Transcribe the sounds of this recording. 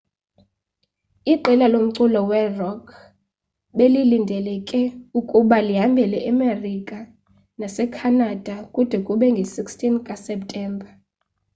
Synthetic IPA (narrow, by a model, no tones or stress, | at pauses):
iǃɛlalom̩ǀulɔwɛrɔkʰ | ɓelilindʱɛlɛkʼɛukʼuɓaliɦambʱɛlɛʔɛmerikʼa | nasɛkʰanad̥ʱakʼud̥ʱɛkʼuɓɛŋɡʱesikstʰʼinkʼasɛp̚tʼɛːmbʱa